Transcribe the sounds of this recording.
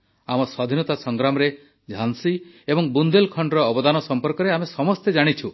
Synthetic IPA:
amɔswad̪ʱinɔt̪asɔŋɡɾamɔɾe | d͡ʒʱansi | ebɔŋbund̪elkʰɔɳɖɔɾɔːbɔd̪anɔsɔmpɔɾkɔɾeamesɔmɔst̪ed͡ʒaɽ̃it͡ʃʰu

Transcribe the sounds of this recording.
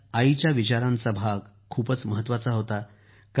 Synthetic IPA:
ait͡ɕjaʋit͡ɕaɾãnt͡sabʱaɡ | kʰːuːpət͡sməɦət̪ːʋat͡saɦot̪a | k

